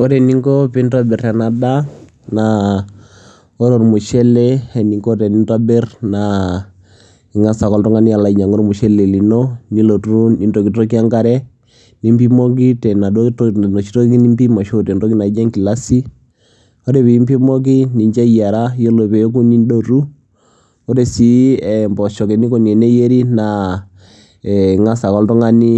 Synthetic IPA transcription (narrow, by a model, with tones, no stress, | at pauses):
ɔ˦ɾɛ˨ni˦ŋkɔ˦pi˦nta˦bɛ˨rɛ˨na˨da˦ | na˨ | ɔ˦ɾo˨ɾmu˨ʃɛ˦lɛ˦ɛ˨ni˨ŋɡɔ˦tɛ˨ni˦nta˦bɛ˦rna˨ | i˨ŋa˦sa˨kɔ˦ltɔ˦ŋa˦ni˦a˨la˨i˨˦ɲa˨ŋo˦ɾmu˨ʃɛ˦lɛ˨li˨no˦ni˦lo˨tu˦u˦ni˨nto˨ki˨˦ɔ˦ki˦a˦ŋɡa˦ɾɛ˦ | ni˦mpi˦mo˦ki˦tɛ˨na˨do˦tno˨t͡ʃi˦to˦ki˦ni˦mbi˦ma˨ʃo˦te˨ndo˦ki˦na˨˦d͡ʒɛ˦ŋki˨la˦si˦ | ɔ˦ɾe˨pi˨i˦mpi˦mɔ˦k̬i˦ni˨ɲt͡ʃɛ˦ja˨ɾa˦jo˦lo˨pe˨o˦ku˦ni˦ndo˨ɾu˦ | ɔ˦ɾe˨si˨˦ɛ˨mbɔ˨ʃɔ˨ke˨ni˦ko˨ɲɛ˨ne˦je˦ɾi˦na˨ | ɛ˨ŋa˦sa˨kɔ˦ltɔ˦ŋa˦ni˦